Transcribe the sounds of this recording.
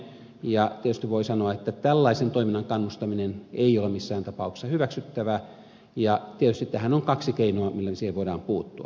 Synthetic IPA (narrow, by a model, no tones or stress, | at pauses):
jɑt̪iet̪yst̪iʋʋoisɑnoɑet̪ːæt̪ælːɑisent̪oˑiminːɑŋkɑnːust̪ɑmineneˑijˑolemisːæːnt̪ɑpɑˑukse̥sɑhyʋæksyt̪ːæʋæ | jɑt̪iet̪yst̪it̪t̪æhænoŋkɑksikeinoɑmilːæsiheʋoˑidɑ̰ːmpuːt̪ːuɑ̰